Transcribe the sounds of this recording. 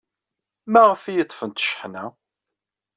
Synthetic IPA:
mæʁfijət̪ˤːfənt̪ʃə̥ħnæ

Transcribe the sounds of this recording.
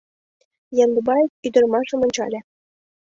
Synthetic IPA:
jɑnd̪ubɑjyd̪ɤ̆rmɑʐɤ̆mɤ̆nʲt͡ɕɑ̰lʲĕ

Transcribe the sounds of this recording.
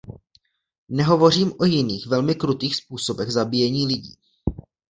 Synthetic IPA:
nɛɦo̞vo̞riːmʔo̞jɪniːxvɛlmɪkɾut̪iːxspuːso̞bɛɣzabijɛɲiːlɪɟḭː

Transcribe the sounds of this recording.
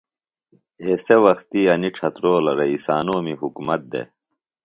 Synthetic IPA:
eːsewɐxt̪iɐniʈ͡ʂʰɐt̪ɾoːlɐɾeisaːnoːmiɦukumɐt̪̚d̪ḛ

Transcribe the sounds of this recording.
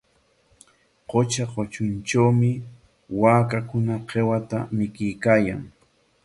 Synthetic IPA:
qot͡ʃaqot͡ʃʊnʈ͡ʂawmɪ | waːkakʊnaqewat̪amɪkɪjkaːja̰ŋ

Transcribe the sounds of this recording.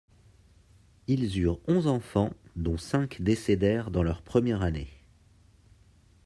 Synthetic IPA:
ilzyʁɔ̃zɑ̃fɑ̃d̪ɔ̃sɛ̃kd̪esed̪ɛʁd̪ɑ̃lœʁpχəmjɛʁane

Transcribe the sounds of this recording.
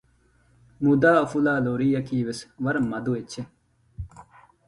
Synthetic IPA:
mud̪aːɐfulaːloːɾiːjɐkiːʋesʋɐɾmɐd̪uet͡ɕʰe

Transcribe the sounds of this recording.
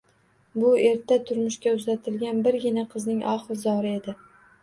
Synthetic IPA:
bʊe̞ɾt̪ʰat̪ʰʊɾmʊʃkʲaʊzat̪ʰɪlɡʲanbɪɾɡʲɪnaqʰɨznɪŋʔɒ̰χɨɾzɒɾɪe̞d̪ɪ

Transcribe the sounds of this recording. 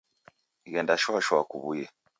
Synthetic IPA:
ɣɛndaʃwaʃwakuβujɛ

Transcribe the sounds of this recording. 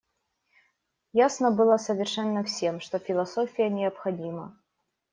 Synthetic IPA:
jasnəbɨlˠəsəvʲɪrʂɛnːəfsʲe̞mʂt̪ofʲɪlˠɐsofʲɪjənʲɪɐpxɐdʲimə̰

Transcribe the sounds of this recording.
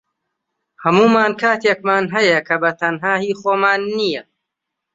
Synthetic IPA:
hɐmuːmaːnkʰaːt̪eːkmaːnɦɐjɐkʰɐbɐt̪ʰɐnɦaːhiːxoːmaːnːijɐ

